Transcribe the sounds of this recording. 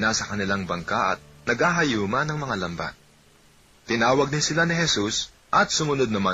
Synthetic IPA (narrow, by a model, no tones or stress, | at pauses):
nasɐkɐnɪlaŋbɐŋkaʔɐ̰t̪̚nɐɡaːɦɐjuːmɐnɐŋmɐŋalɐmba̰t̪ | t̪ɪnaːwɐɡ̚nɪsɪlanɪɦɛsus | ʔɐt̪̚sʊmʊnod̪̚nɐma